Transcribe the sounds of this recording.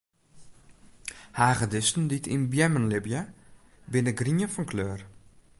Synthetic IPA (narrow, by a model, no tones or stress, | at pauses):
haːɣədɪstn̩ditʰḭnbjɛmənlɪbja | bɪnəɡriənfɔnkʰløːr